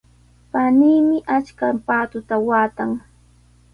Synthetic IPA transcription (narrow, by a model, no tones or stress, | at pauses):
paniːmɪʔat͡ʃkapaːt̪ʊt̪awaːt̪aŋ